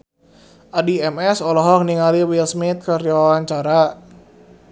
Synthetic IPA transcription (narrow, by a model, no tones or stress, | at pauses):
ʔadiɛmɛsɔlɔɦɔŋniŋaliwilsmit̪̚kəriwawaɲt͡ʃaɾa